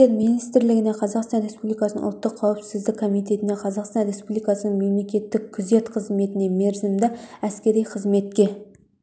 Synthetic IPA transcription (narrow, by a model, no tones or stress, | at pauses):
eɾminijst̪ɪɾlɪɡʲɪne̞qʰɑzɑqst̪ɑnɾe̞spublijkɑsə̰ʊ̰lˠt̪ːəqʰːɑwəpsɪzd̪ɪkʰːo̞mijt̪̬e̞t̪ɪne̞qʰɑzɑqst̪ɑnɾe̞spublijkɑsənəɴme̞mle̞kʲe̞t̪ːɪkʲʰʊze̞t̪qʰəzme̞t̪ɪne̞me̞ɾzɪmd̪ɪæskʲe̞ɾijqʰəzme̞t̪̚kʲe̞